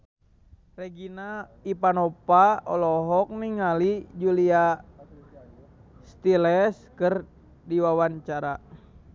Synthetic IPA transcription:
reɡinaipanɔpaɔ̰lɔɦɔk̚niŋalid͡ʒulia | st̪ilɛskɨr | diwawaɲt͡ʃaɾa

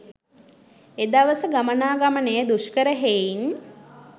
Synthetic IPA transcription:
ed̪aʋəsəɡamənaːɡamənejəd̪uʃkəɾəɦein

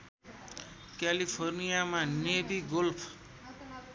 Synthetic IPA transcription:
kalipʰornijamanebiɡolpʰ

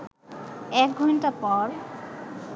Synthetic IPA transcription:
ɛk̚ɡʱɔntapɔɹ

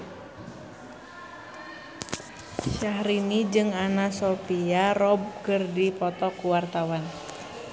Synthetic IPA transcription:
ʃaɦɾinid͡ʒɨŋanasopiarɔb̚kɨrdipɔt̪ɔkuwart̪awan

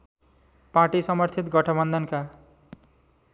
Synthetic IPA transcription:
paʈisʌmʌrt̪ʰit̪ɡʌʈʰʌbʌnd̪ʱʌnka

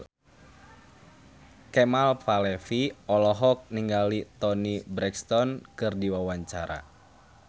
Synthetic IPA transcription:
kɛmalfalɛfiɔlɔɦɔk̚niŋɡalit̪ɔnibɾɛkst̪ɔnkɨrdiwawaɲt͡ʃaɾa̰

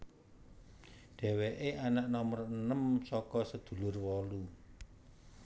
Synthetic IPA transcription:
ɖ̥ɛ̤weʔeʔanaʔnɔmərənəmsɔkɔsəd̪̥ṳlʊrwɔlu

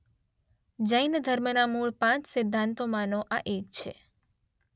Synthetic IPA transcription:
d͡ʒəjnd̪ʱəɾmənamuɭpãt͡ʃsɪd̪ʱːãnt̪omanoʔaʔekt͡ʃʰḛ

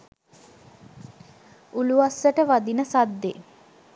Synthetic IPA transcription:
uluasːəʈəʋad̪inəsad̪ːḛ

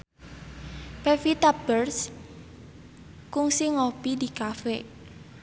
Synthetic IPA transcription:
pɛfit̪ab̥ərs | kʊŋsɪŋopidikafe

